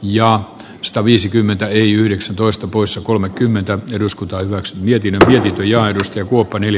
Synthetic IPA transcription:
jɑ | sɑ̥t̪ɑʋiːsikymːent̪æeiyhɾeksænt̪oist̪ɑpoisːɑkolmekkymːent̪æeduskut̪ɑːhyʋæksymiet̪inːømmiet̪int̪øjɑːedust̪ɑjɑkuopːɑnel

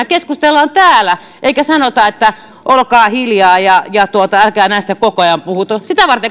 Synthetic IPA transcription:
ækeskust̪elːɑnt̪æːlæ | ʔeikæsɑnot̪ɑet̪ːæ | ʔolkɑːhiljɑːjɑjɑt̪uot̪ɑælkæːnænsi̥t̪ækokoɑjɑmpuhut̪osit̪æʋɑrt̪e

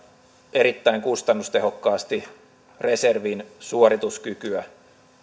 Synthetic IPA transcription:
ʔeɾit̪ːæiŋkust̪ɑnːust̪eɦokːɑːst̪i | re̞serʋinsuorit̪uskykyæ

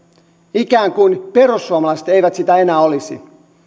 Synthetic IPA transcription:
ikæːŋkuinperusːuomɑlɑiset̪eiʋæt̪sit̪æenæːolisḭ

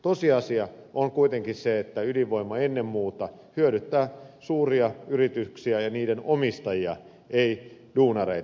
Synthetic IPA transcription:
t̪osiɑsiɑʔoŋkuit̪eŋkinseet̪ːæyliʋo̞imːɑenːemmuːt̪ɑ | hyøɾyt̪ːæːsuːriɑyrit̪yksiæjɑniːdenomist̪ɑjiɑ | ʔeiduːnɑrḛi

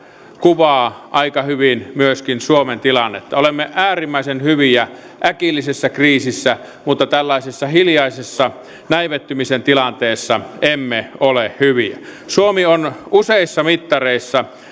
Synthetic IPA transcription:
kuʋɑːʔɑikɑhyʋinmyøskinsuoment̪ilɑnːet̪ːɑolemːeʔʔæːrimːæisenhyʋiæ | ʔækilːisesːækriːsisːæ | mut̪ːɑt̪ælːɑisesːɑhiljɑisesːɑ | næiʋet̪ːymisent̪ilɑnt̪eːsːɑemːeolehhyʋiæ̰suomionuseˑisːɑmit̪ːɑreˑisːɑ

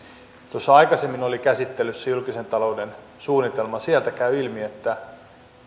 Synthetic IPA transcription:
t̪osːɑɑikɑsemːinolikæsit̪ːelːysːejylkise̞nt̪ɑlo̞uden | suːnːit̪e̞lmɑsielt̪ækæyilmiet̪ːæ

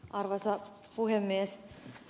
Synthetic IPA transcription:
ʔɑrʋɑsɑ | puhemːies

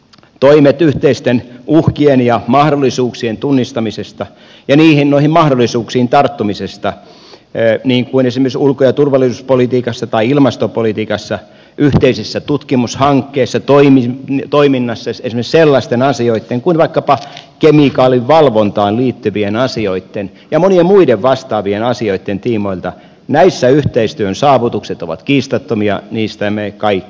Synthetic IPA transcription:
t̪oimet̪yht̪eist̪enuhkienjɑmɑhdolːˑisuːksient̪unːist̪ɑmisest̪ɑ | jɑniːhinnoihimɑhdolːˑisuːksiːnt̪ɑrt̪ːumisest̪ɑ | niːŋkuinesimersulkojɑt̪urʋɑlːˑisuspolit̪iːkɑsːɑt̪ɑiilmɑst̪opolit̪iːkɑsːɑ | ʔyht̪eisesːæt̪ut̪kimushɑŋkːeːsːɑt̪oimit̪oiminːɑsːɑesimeselːɑst̪enɑsioit̪ːeŋkuinʋɑikːɑpɑkemikɑːliʋʋɑlʋont̪ɑːnliːt̪ːyʋienɑsioit̪ːen | jɑmoniemmuideʋʋɑst̪ɑːʋienɑsioit̪ːent̪iːmoilt̪ɑ | næisːæyht̪eist̪yøønsɑːʋut̪ukset̪oʋɑ̰t̪kiːst̪ɑt̪ːomiɑ̰niːst̪æmekɑikː

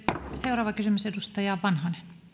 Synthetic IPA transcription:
seurɑːʋɑkysymysedust̪ɑjɑːʋʋɑnhɑne

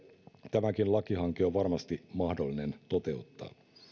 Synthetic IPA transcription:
t̪æmækinlɑkiɦɑŋkioʋʋɑrmɑst̪imɑhdolːine̞nt̪ot̪e̞ut̪ːɑ̰ː

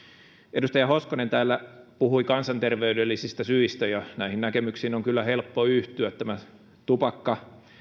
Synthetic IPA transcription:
ʔedust̪ɑjɑhoskonent̪æːlːæpuhuikɑnsɑnt̪erʋeydelːisist̪ɑsyist̪æjɑnæihinækemyksiːnoŋkylːæhelpːoyht̪yæt̪t̪ːæmæ | t̪upɑkːɑ

